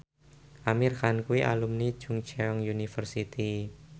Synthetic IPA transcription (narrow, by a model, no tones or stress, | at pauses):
ʔamirxankuwiʔa̰lumnid̥ʒ̥ṳŋt͡ʃɛɔŋjunifərsit̪i